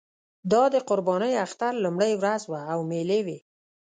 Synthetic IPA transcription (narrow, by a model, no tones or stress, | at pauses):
d̪ɑd̪əqʊɾbɑnəjaxt̪aɾlumɽəjwɾazwaːwmelewe